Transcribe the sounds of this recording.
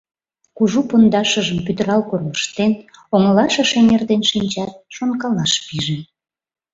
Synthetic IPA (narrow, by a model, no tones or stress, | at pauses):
kuʒupond̪ɑʃəʒəmpyd̪əɾɑlkorləʃt̪enoŋlɑʃɑʃemerd̪enʃinʲt͡ɕɑt̪̚ʃonkɑlɑʃpiʒe